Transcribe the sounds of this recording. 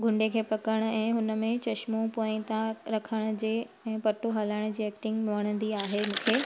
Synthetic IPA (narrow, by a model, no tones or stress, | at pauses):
ɡʱʊ̃ɳɖekʰeːpɐkəɽ̃ʊ̆ɛ̃ːɦʊnəmẽt͡ɕɐʃmopoːɪ̃t̪ãɾɐkʰəɽ̃ʊd͡ʑeː | ɛ̃ːpɐʈoɦaːlaːɪɽ̃ʊd͡ʑiːɛːk̚ʈɪ̃ŋɡmɪʋəɽ̃ə̃nd̪iaːɦemũːkʰeː